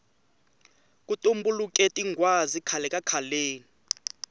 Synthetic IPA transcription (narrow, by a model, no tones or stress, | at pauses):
kʼutʼumbulukʼɛtʼiŋɡwazikʰalɛkʼakʰaleːni